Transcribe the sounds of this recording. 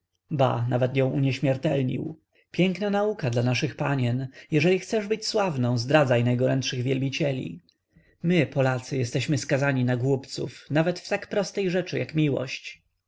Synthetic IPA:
ba̰navɛt̪jɔ̃w̃ʔuɲɛɕmʲjɛɾt̪ɛlɲḭw | pʲjɛŋknanaukad̪lanaʂɘxpaɲɛnjɛʐɛlʲixt̪sɛʐbɘt͡ɕswavnɔ̃w̃zd̪ɾad̪zajnajɡɔɾɛntʂɘɣvʲjɛlbʲit͡ɕɛlʲḭ | mɘpɔlat̪sɘjɛst̪ɛɕmɘskazaɲinaɡwupt̪sṵfnavɛt̪ft̪akpɾɔst̪ɛjʐɛt͡ʂɘjakmʲiwɔ̰ɕt͡ɕ

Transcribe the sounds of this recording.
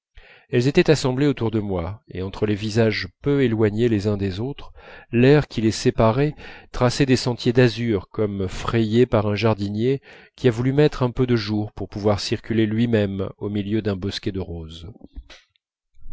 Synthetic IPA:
ɛlzet̪ɛt̪asɑ̃bleot̪uʁd̪əmwaḛɑ̃t̪χəlevizaʒpøelwaɲelezɛ̃d̪ezot̪χlɛʁkʲilesepaʁɛt̪χasɛd̪esɑ̃t̪jed̪azyʁkɔmfχejepaʁɛ̃ʒaʁd̪inje | kʲiavulymɛt̪χɛ̃pød̪əʒuʁpuʁpuvwaʁsiʁkʲylelɥimɛmomiljød̪ɛ̃bɔskʲɛd̪əʁoz

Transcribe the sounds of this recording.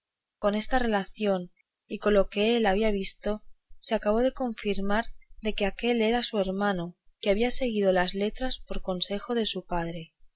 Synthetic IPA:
ko̞ne̞st̪are̞laθjo̞n | iko̞loke̞elaβ̞iaβ̞ist̪o̞seakaβ̞o̞ðe̞ko̞ɱfiɾmaɾðe̞ke̞ake̞le̞ɾasue̞ɾmãnokeaβiase̞ɣ̞ið̞o̞lazle̞t̪ɾaspo̞ɾko̞nse̞xo̞ðe̞supaðɾe̞

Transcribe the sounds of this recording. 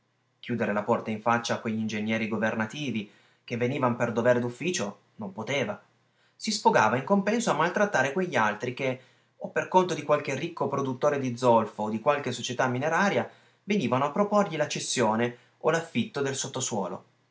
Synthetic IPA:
k̟juːd̪eɾelapɔrt̪aiɱfat͡ʃːaːkweʎːind͡ʒenːjɛːɾiɡovernat̪iːvi | kevːeniːvanoperd̪ovɛːɾed̪ufːiːt͡ʃo | nompot̪eːva | sisfoɡa̰ːvaiŋkompɛnsoamːalt̪ɾat̪ːaːɾekweʎːialt̪ɾike | opːerkont̪od̪ikwalk̟erːikːopɾod̪ut̪ːoːɾed̪id̪zːɔlfoːd̪ikwalk̟esot͡ʃet̪amːineɾaːɾja | veniːvanoapːɾoporʎilat͡ʃːesːjoːne | olafːit̪ːod̪elsot̪ːoswɔ̰ːlo̰

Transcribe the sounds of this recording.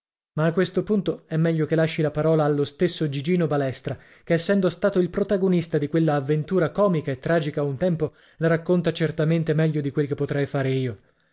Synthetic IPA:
maːkːwest̪opunt̪oɛmːɛʎːokelːaʃːilapaɾɔːlaːlːost̪esːod͡ʒid͡ʒiːnobalɛst̪ɾa | keːsːɛnd̪ost̪aːt̪oilpɾot̪aɡonist̪ad̪ikwelːaːvːent̪uːɾakɔːmikaet̪ːɾaːd͡ʒikaunt̪ɛmpo | laɾakːont̪at͡ʃert̪ament̪emɛʎːod̪ikwelkepːot̪ɾɛjfaːɾeiːo

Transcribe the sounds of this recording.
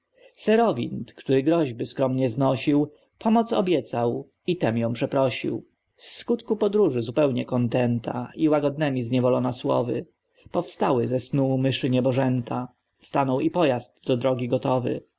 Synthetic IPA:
sɛɾɔvʲḭnt̪kt̪uɾɘɡɾɔʑbɘskɾɔmɲɛznɔɕiw | pʰɔmɔt̪sɔ̰bʲjɛt̪saw | it̪ɛmjɔ̃w̃pʂɛpɾɔɕḭw | sːkut̪kupɔd̪ɾuʐɘzupɛwɲɛkɔnt̪ɛnt̪a̰iwaɡɔd̪nɛmʲizɲɛvɔlɔnaswɔ̰vɘ̰ | pɔfst̪awɘzɛsnumɘʂɘɲɛbɔʐɛnt̪a | st̪anɔwipɔjazd̪ːɔd̪ɾɔɡʲiɡɔt̪ɔvɘ̰

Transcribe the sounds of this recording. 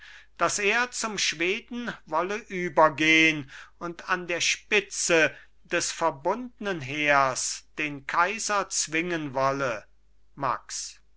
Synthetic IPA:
d̥aseːɐt͡sʊmʃv̥eːdn̩vɔləʔyːbɐɡeːənʊntandeːɐʃpɪt͡sə | d̥ɛsfɛɐbʊndənənɦeːɐsd̥eːnkʰaɪzɐt͡sv̥ɪŋənvɔlə | ma̰ks

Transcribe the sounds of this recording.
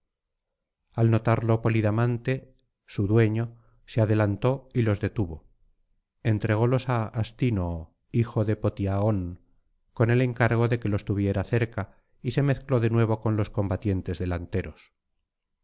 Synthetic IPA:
alno̞t̪aɾlopo̞liðamãnt̪e̞ | suðwe̞ɲo̞ | seaðe̞lant̪o̞ilo̞zðe̞t̪uβo̞ | e̞nt̪ɾe̞ɣ̞o̞lo̞saːst̪ino | ixo̞ðe̞po̞t̪iaoŋ | ko̞ne̞le̞ŋkaɾɣ̞o̞ðe̞ke̞lo̞st̪uβje̞ɾaθe̞ɾka | ise̞me̞θklo̞ðe̞nwe̞β̞o̞ko̞nlo̞sko̞mbat̪je̞nt̪e̞zðe̞lant̪e̞ɾos

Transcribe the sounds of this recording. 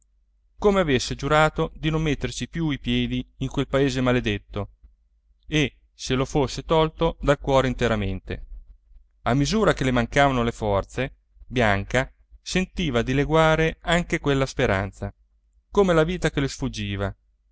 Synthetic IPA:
komeavesːed͡ʒuɾaːt̪od̪inomːet̪ːersipjuipjɛːd̪iːŋkwelpaeːzemaled̪et̪ːo | e | selofosːet̪ɔlt̪od̪alkwɔːɾeint̪eɾament̪ḛ | amːizuːɾakelemaŋkaːvanolefɔrt̪se | bjaŋka | sent̪iːvad̪ileɡwaːɾeaŋkekwelːaspeɾa̰nt̪sa | komelaviːt̪akelosfud͡ʒːiːva

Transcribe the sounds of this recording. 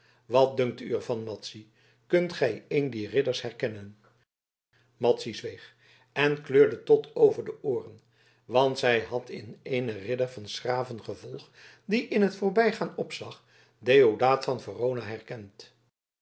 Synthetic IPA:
ʋɑt̚dɵŋk̚ty̰əɹvɑnmɑtsi | kɵntχɛjejndiːrɪdəɹsɦɛɹkɛnən | mɑtsizʋejχ | ɛnkløːɹdətɔtʰowvəɹdəʔʊːrən | ʋɑntsɛjɦɑtʰɪ̰nejnərɪdəɹvɑnsraːvənχəvɔlˠχ | diʔɪnɦətfʊːɹbɛjχaːnɔpsɑχ | dejodaːtfɑnvərownaɦɛrkɛnt

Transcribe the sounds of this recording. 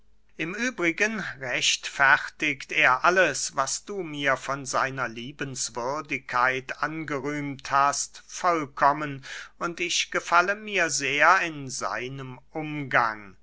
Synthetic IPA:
ʔɪmʔyːbʁɪɡənʁɛʃtfɛʁtɪkteːɐʔaləsvasd̥uːmiːɐfɔnzaɪnɐliːbənsv̥ʏɐdɪkʰːaɪtʔanɡəʁyːmthastfɔlkʰɔmənʔʊntɪçɡ̥əfaləmiːɐzeːɐɪnza̰ɪnəmʔʊmɡaŋ

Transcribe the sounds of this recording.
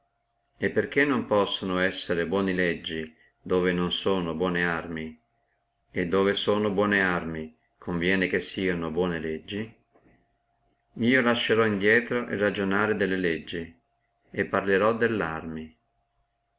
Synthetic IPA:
epːerkenːompɔsːonoɛsːeɾebwɔːnilɛd͡ʒːi | d̪oːvenonsoːnobwɔːnearmi | ed̪ːoːvesoːnobwɔːnearmi | kʰoɱvjɛːnekesːiːanobwɔːneled͡ʒːi | miːolaʃːeɾɔind̪jɛːt̪ɾoʔḛrːad͡ʒonaːɾed̪elːeled͡ʒːi | epːarleɾɔd̪elːarmi

